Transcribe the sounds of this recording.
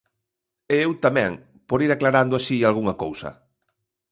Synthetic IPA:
eewt̪amɛ̃ŋ | poɾiɾaklaɾand̪ʊaʃialɣuŋɐkowsɐ̰

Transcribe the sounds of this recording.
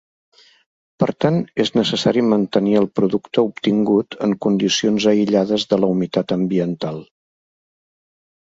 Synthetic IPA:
pəɾt̪aneznəsəsaɾimənt̪əniəlˠpɾuðukt̪əup̚t̪iŋɡut̪əŋkund̪isionzəiʎaðəzðələumit̪at̪əmbiənt̪alˠ

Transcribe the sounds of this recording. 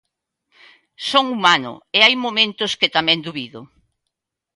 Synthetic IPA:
soŋumanʊ̰eajmomẽnt̪ʊskɪt̪amɛ̃nd̪uβiðʊ

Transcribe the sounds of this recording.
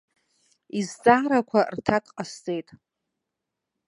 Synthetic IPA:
izt͡sʼaːɾakʷʰartʰakʼqʼast͡sʼe̞jtʼ

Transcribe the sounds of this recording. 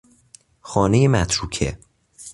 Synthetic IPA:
xɒːnejemæt̪ʰɾuːcʰḛ

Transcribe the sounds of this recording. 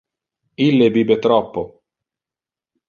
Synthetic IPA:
ilːebiːbet̪ɾɔpːo

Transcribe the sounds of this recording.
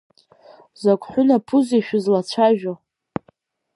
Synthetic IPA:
zakʷʼħʷᶣʊnapʰʊziʃᶣʊzlat͡ɕʷʰaʒᶣo

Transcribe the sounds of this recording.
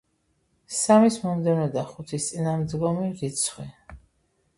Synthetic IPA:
samismɔmd̪ɛvnɔd̪aχut̪ʰist̪sʼinamd̪ɡɔmiɾit̪sʰχwi

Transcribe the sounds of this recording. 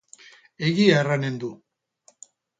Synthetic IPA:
eɣiaerane̞nd̪u

